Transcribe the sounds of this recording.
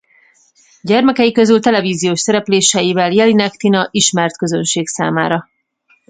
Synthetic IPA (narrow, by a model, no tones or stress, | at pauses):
ɟɛrmɛkɛjikø̞zylt̪ɛlɛviːzijoːʃsɛɾɛpleːʃɛjivɛljɛlinɛkt̪inɒʔiʃmɛrt̪kø̞zønʃeːksa̰ːmaːɾɒ